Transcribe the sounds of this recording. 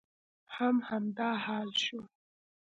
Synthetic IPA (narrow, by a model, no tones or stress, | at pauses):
hamhamd̪ɑːhɑːlʃu